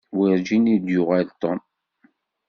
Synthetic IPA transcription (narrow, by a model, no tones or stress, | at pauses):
wiɾd͡ʒinid̪jʊʁælt̪ˤːom